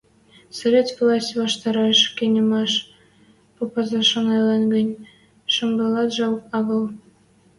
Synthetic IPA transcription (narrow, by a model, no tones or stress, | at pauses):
sovʲetvlˠɑsʲtʲβɑʃt̪ɑɾɑjʃkʲenʲə̆mɑʃ | popɑzɑʃŏnɑjlɑnɡə̆nʲ | ʃŏmɡɑlɑt̪ʒɑwɑɣɤ̆lˠ